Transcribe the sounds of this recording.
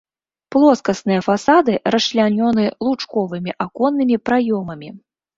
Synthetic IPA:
plˠɔskɐsnɨjɐfasad̪ɨɾɐʂlʲanʲɔnɨlˠut͡ʂkɔvɨmʲiʔakɔnːɨmʲipɾajɔmɐmʲi

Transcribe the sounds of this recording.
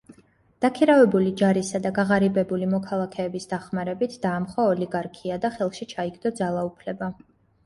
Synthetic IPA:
d̪̥akʰiɾavɛbulid͡ʒaɾisad̪aɡaʁaɾibɛbulimɔkʰalˠakʰɛːbisd̪̥aχmaɾɛbit̪ʰd̪aːmχwaɔliɡaɾkʰiad̪aχɛlˠʃit͡ʃʰaiɡd̪ɔd̪zalˠaupʰlɛba

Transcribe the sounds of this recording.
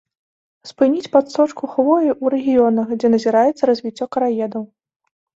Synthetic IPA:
spɨnʲit͡sʲpat̪sɔt͡ʂkuxvɔjiʔuɾɛɣʲijɔnɐxd͡zʲɛnɐzʲiɾajɛt̪sːɐɾɐzʲvʲit͡sʲːɔkɐɾajɛd̪ɐw

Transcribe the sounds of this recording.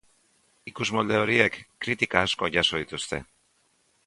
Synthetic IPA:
ikuzmold̪e̞o̞ɾie̞kːɾit̪ikaːsko̞ʝaso̞ðit̪ust̪e̞̰

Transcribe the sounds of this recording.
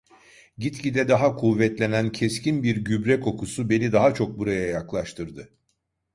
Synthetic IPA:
ɟit̪cʰid̪ɛd̪aɦakʰuvːɛt̪lʲe̞næncʰɛscʰinbiɾɟybɾɛko̞kusube̞nid̪aɦat͡ʃʰo̞k̚buɾajajaklˠaʃt̪ʰɯɾd̪ɯ

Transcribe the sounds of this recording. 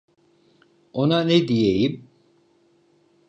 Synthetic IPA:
onanɛd̪ijejim

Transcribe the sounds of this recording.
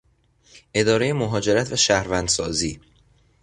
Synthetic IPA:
ʔe̞d̪ɒːɾejemoɦɒːd͡ʒe̞ɾæt̪ʰvæʃæhɾvænd̪sɒːziː

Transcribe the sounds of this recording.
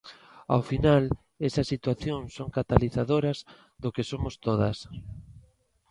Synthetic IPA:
a̰wfinal | esɐsːit̪waθjoŋsoŋkat̪aliθaðoɾɐz | ðʊkesomʊst̪oðɐs

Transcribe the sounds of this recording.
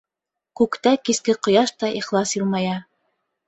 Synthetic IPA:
kʉkt̪ækiskɘqŏjɑʃt̪ɑʔiχlˠɑsjulˠmɑjɑ

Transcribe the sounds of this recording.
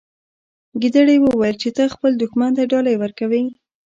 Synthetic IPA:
ɡid̪əɽajwəwɑjəlt͡ʃet̪əxpəld̪ʊxmant̪aɖɑlajewəɾkawij

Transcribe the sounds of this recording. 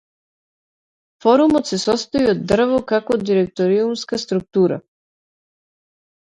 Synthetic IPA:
fɔɾumɔt̪sɛsɔst̪ɔiɔd̪ːr̩vɔkakod̪iɾɛk̚t̪ɔɾiumskast̪ɾuk̚t̪uɾa̰

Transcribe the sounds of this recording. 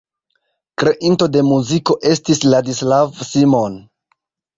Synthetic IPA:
kɾe̞ʔinto̞de̞muziko̞ʔe̞stisladislavsimo̞n

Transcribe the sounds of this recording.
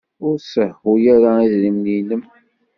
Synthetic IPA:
ʊɾsəhujæɾaiðlimniləm

